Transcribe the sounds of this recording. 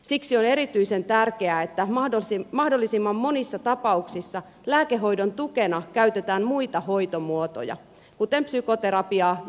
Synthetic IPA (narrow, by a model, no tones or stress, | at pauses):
siksio̞ne̞ɾit̪yisent̪ærkeæet̪ːæomɑhdolːisimːɑmːo̞nisːɑt̪ɑpɑuksisːɑ | læːkeɦo̞jdont̪uke̞nɑkæyt̪et̪æːmmuit̪ɑho̞jt̪omuot̪o̰jɑ̰ | kut̪empsyko̞t̪e̞ɾɑpiɑː